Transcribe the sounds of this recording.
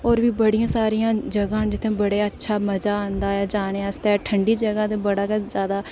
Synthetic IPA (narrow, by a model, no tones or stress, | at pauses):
ɔːɾʋiːbəɽijãːsaːɾijãːd͡ʒəɡãːd͡ʒɪt̪ʰːẽːbəɽeːətːʃʰaːməzaːaːnd̪aːɛːd͡ʒaːneast̪ɛːʈʰəɳɖiːd͡ʒəɡãːd̪eːbəɽaːkɛzjaːd̪aː